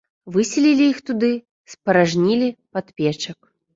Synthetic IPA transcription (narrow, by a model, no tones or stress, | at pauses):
vɨsʲɛlʲilʲiixt̪ud̪ɨ | spɐɾaʐnʲilʲipat̪pʲɛt͡ʂɐk